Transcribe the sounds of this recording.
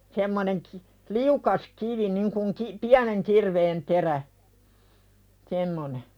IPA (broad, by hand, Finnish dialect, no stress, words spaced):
semːoneŋ ki liukɑs kiʋi niŋ kuŋ ki piæneŋ kirʋeːn teræ semːone